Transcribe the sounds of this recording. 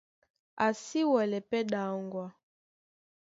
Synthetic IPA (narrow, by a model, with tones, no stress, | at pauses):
a˨si˦wɛ˨lɛ˨pɛ˦ɗa˨˦ŋɡwa˨